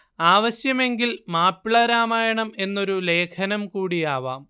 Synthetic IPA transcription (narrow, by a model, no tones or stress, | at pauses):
aːʋɐɕjɐme̞ŋɡilmaːpːiɭɐɾaːmaːjɐɳɐme̞nːo̞ɾule̞ːkʰɐnɐmkuːɽijaːʋaːm